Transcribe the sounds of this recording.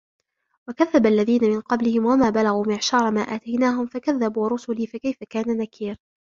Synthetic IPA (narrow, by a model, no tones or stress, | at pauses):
wakaðːabalːaðiːnamɪnqɑblɪhɪmwamaːbalaɣuːmɪʕʃɑːɾˤɑmaːʔaːt̪ajnaːɦʊmfakaðːabuːɾˤʊsʊliːfakajfakaːnanakʰiːɾ